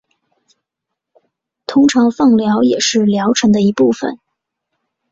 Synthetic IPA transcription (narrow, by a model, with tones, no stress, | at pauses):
t̪ʰʊ˥ŋʈ͡ʂʰɑ˧˥ŋfɑ˥˩ŋljɑ˧˥ʊjɛ˨˩ʂɻ̩˥˩ljɑ˧˥ʊʈ͡ʂʰɤ˧˥ŋd̪ə˧i˧˥pu˥˩fə̰˨˩n